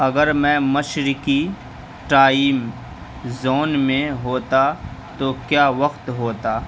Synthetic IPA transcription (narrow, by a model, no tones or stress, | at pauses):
ɐɡəɾmɛ̃mɐʃɾɪki | ʈaːɪm | zoːnmẽɦoːt̪at̪okjaːʋɐqt̪ɦoːt̪aː